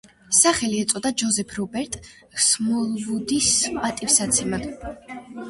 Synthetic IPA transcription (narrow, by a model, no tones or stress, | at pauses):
saχɛliɛt̪sʼɔd̪ad͡ʒɔzɛpʰɾɔbɛɾt̪ʼ | smɔlˠvud̪ispʼat̪ʼifsat̪sʰɛmad̪̥